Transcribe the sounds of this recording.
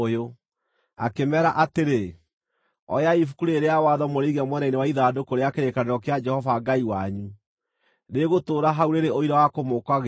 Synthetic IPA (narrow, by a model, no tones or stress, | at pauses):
jo | a̰kemɛɾaʔateɾe | ɔ̰jaifukuɾeeɾeawaðɔmoɾeiɣamwɛnainewaiðaːdokoɾeakeɾekaneɾɔkead͡ʒɛhɔvaɡaiwaɲu | neɣotoːɾaɦauɾeɾeoiɾawakomokwaɣ